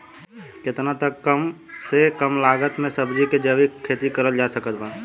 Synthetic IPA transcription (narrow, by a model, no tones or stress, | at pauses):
kɪt̪nat̪əkːəmsekəmlaːɡət̪mẽsəbd͡ʒiked͡ʒəʋikʰːeːt̪ikəɾəld͡ʒaːsəkət̪bən